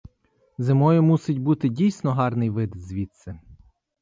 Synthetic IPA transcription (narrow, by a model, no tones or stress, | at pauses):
zɪmɔjʊmusɪtʲbut̪ɪdʲijsʲnɔɦɑrnɪjʋɪd̪zʲʋʲit̪sɛ